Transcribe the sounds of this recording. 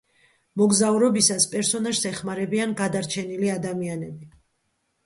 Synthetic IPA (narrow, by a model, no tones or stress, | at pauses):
mɔɡzauɾɔbisaspʼɛɾsɔnaʃsɛχmaɾɛbianɡad̪aɾt͡ʃʰɛniliad̪amianɛbi